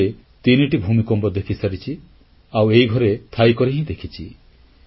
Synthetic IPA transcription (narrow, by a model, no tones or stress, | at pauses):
e | t̪iniʈibʱumikɔmbɔd̪ekʰisaɾit͡ʃʰi | awejɡʱɔɾet̪ʰajkɔɾeɦĩd̪ekʰit͡ʃʰi